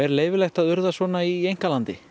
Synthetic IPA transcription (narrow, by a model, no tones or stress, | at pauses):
ɛɾleːjvɪlɛjxt̪aðʏɾðasvɔːnaiejŋ̥kalant̪ɪ̰